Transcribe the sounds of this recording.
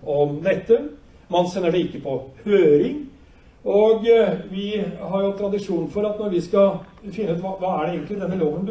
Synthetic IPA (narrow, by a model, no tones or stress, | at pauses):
ɔmd̪ɛt̪ːə | mɑnsɛnːəɖɛɪkːəpʰɔhøːɾɪŋ | ɔɡʋɪɦɑɾjʊt̪ʰɾɑd̪ɪʂuːnnfɔɾɑt̪nɔɾʋɪskɑfɪnːəʉːt̪ʋɑːʋɑːæɖɛeːɡənlɪd̪ɛnːəloːʋənd̪